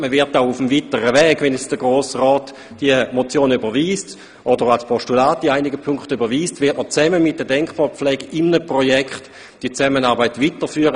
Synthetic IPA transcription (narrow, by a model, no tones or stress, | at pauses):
məvɪɐtaʊufəmvitəʁəvɛːɡʋɛnɛsd̥əɡʁoːsʁɔːt | d̥iəmot͡sjoːnybəʋiːst | ʔodəʁalspʰoʃtulaːtiaɪnɪɡəpʰʊŋkχtybəʋiːstvɪɐtmət͡sɛməmɪt̚d̥ədɛŋkχb̥ɑːp͡flɛːɡəʔɪmnəpʁojɛkχt | d̥it͡sɛmənɑːɐbaɪtvitəʁfyːəʁə